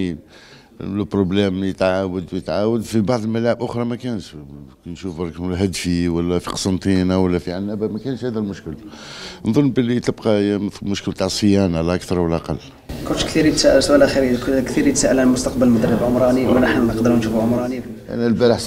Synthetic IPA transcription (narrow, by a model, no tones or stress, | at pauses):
in | lpɾˤoblæmlijət̪ʕawəd̪wjət̪ʕawəd̪fibɑʕd̪ˤəlmælaʕəbʔʊxɾˤɑmækænʃknʃufbɑɾˤkmlɦæd̪fiwəlːæfi̥qɑ̥sˤɑnt̪ˤinawəlːæfiʕanːæbæmækænʃhæd̪ælmʊʃkəl | nðˤɑnːbəlːit̪əbqɑmʊʃkəlt̪aʕsˤəjænalæʔəkt̪ɑɾˤwəlːæʔɑqɑlː | kʊnkt̪iɾjət̪sæʔəlsuʔælʔæxiɾikkt̪iɾjət̪sæʔəlænəlmʊst̪ɑqbəlmʊd̪ərːəbʕʊmɾˤɑniwnəħnmæəqd̪əɾunʃufʕomɾˤɑni | ʔæ̰nælbæɾəħs